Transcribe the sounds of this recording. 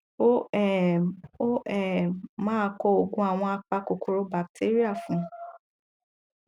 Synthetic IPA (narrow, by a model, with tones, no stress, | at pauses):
o˦ɛ˨o˦ɛ˦˨mãː˦kɔ˧o˨ɡũ˦a˦˨w̃ɔ̃˧a˧k͡pa˧ko˨ko˨ɾo˧ba˨k̚tʰe˦ɾi˦a˦˨fũ˨˦